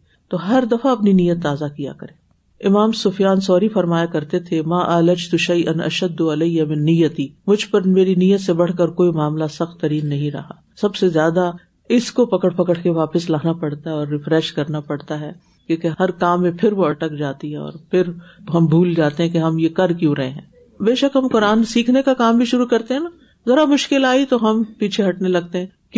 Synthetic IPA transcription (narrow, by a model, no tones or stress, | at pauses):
t̪oːɦɐɾd̪ɐfaɐpninijːət̪ːaːzakija̰kɐɾẽː | ɪmaːmsʊfijaːnsɔːɾifɐɾmaːjakɐɾt̪et̪ʰemaːʔɐːlɐd͡ʒt̪ʊʃɐjʔɐnʔɐ̰ʃɐd̪ːʊɐlɐjamɪnːijːət̪iːmʊd͡ʒʱpɐɾmeːɾinijət̪sebɐɽ̤kɐɾkoːimaːmlasɐxt̪ːɐɾiːnːɐɦĩɾɐ̰ɦaː | sɐbsezjaːd̪a | ɪskopɐkəɽpɐkəɽkeʋaːpəslaːnapɐɽt̪aɦɛɔːɾːɪfɾɛʃkɐɾnapɐɽt̪aɦɛː | kjõːkeɦɐɾkaːmːẽpʰɪɾʋoɐʈəkd͡ʒaːt̪iɦɛɔ̰ːɾpʰɪɾɦɐmbʱuːld͡ʒaːt̪eɦɛ̃keɦɐmjekɐɾkjũɾɐɦḛ̃ɦɛ̰̃ː | beːʃəkɦɐmkʊɾaːnsiːkʰnekakaːmbʱiʃʊɾukɐɾt̪eɦɛ̃naː | zɐɾamʊʃkɪlaːit̪oɦɐmpiːt͡ʃʰeɦɐʈnelɐɡ̚t̪eɦɛ̃ː | k